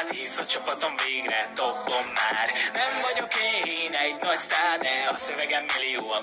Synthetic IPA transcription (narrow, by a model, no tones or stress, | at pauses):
t̪hisɒt͡ʃopɒt̪o̞ɱveːɡɾɛt̪obːomːaːrnɛɱvɒɟukejɦinɛɟnɒcst̪aːd̪ɛɒsøvɛɡɛmːilːioːɒn